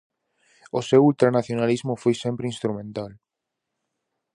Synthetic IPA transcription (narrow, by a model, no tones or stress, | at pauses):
osewult̪ɾanaθjonalizmʊfojsempɾɪĩnst̪ɾumẽnt̪al